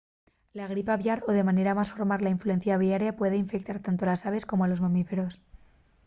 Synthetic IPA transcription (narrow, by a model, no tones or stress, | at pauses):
laɣ̞ɾipaβjaɾo̞ðe̞mãne̞ɾamasfo̞ɾmaɾlaiɱflue̞n̟θjaβ̞jaɾjapwe̞ðeiɱfek̚t̪aɾt̪ant̪̬olasaβ̞e̞sko̞moalo̞zmamife̞ɾo̞s